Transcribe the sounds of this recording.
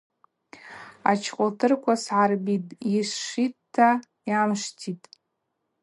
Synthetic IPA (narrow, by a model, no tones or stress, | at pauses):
a̰t͡ʃʰqʷʼʊltʰɨrkʷʰasʕarbitʼisːitʰːa | jamʂtʰitʼ